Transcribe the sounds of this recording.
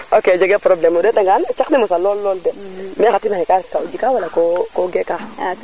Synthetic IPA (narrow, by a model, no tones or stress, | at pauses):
oked͡ʒeɡɛpɾoblɛmudɛtaŋɡant͡ʃaknɛmasalɔlːɔldɛmiaxatinanɛkaɾiskaud͡ʒikawalakokoɡɛkaa